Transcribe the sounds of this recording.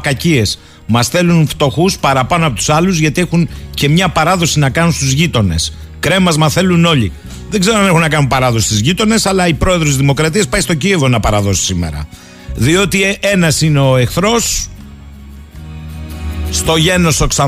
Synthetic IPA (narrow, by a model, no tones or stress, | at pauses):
kɐcie̞s | mɐsθe̞lunft̪o̞xuspɐɾɐpɐnoɐpot̪u̥sɐluzʝɐt̪ie̞xunce̞mɲɐpɐɾɐðo̞sinɐkɐnunst̪uzʝit̪o̞ne̞̰s | kɾe̞mɐzmɐθe̞luno̞ʎi | ðe̞ɡze̞ɾoɐne̞xunːɐkɐnunpɐɾɐðo̞si̥st̪izʝit̪o̞ne̞sɐlɐipɾo̞e̞ðɾos̬izðimo̞kɾɐt̪̬iɐspɐjst̪o̞cievo̞nɐpɐɾɐðo̞si̥simḛɾɐ̰ | ðio̞t̪ie̞nɐsineoexθɾo̞s | t̪o̞ʝe̞no̞soksɐ